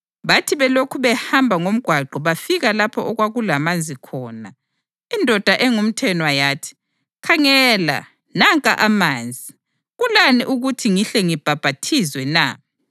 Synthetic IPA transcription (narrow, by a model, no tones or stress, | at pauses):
βatʰiβɛlokʰuβɛhambʱaŋom̩ɡ̥ʱwaɡ͡ǃʱɔβafiɣalapʰɔʔɔɣwaɣulamand͡zʱikʰɔːna̰ | indʱɔd̥ʱaʔɛŋum̩tʰɛnɔwajaːtʰi̥ | kʰaŋɛla̰ | naŋkʼa̰ʔamaːnd͡zʱi | ɣulaniʔuɣutʰiŋiɬɛŋib̥ʱab̥ʱatʰizwɛna̰